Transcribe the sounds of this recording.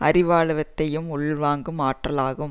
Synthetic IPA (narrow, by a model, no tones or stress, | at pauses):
ɐɾɪʋaːɭɯʋɐt̪ːɐjɯmʊɭʋaːŋɡɯmaːʈrɐlaːɣɯ